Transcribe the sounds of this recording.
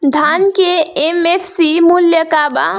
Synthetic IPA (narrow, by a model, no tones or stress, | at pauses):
d̪ʱankeemepʰsimuljəkaba̰